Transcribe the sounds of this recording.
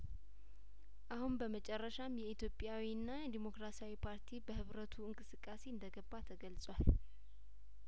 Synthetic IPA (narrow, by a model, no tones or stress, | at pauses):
ʔahunbəmət͡ʃʼɛrːəʃamjɛit̪ʰjo̞pʼjawiɨnːajɛd̪imo̞kɾasiawipʰaɾt̪ʰibəhɨβɾət̪ʰuɨŋkʼɨsɨkʼːase̞ɨnd̪əɡəbːat̪ʰəɡəlsʼwal